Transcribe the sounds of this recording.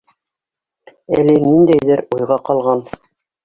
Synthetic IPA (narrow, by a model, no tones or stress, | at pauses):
ælinind̪æjðɘɾujʁɑqɑlˠʁɑn